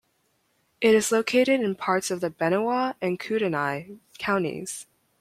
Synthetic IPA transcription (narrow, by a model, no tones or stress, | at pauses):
ʔɪɾɨzloʊkʰeɪɾɨɾɨ̃npʰɑɹtsʌvðɨbɛɾ̃əwɑɨ̃nkʰʉɾɨnaɪkʰãʊ̃ntḭz̥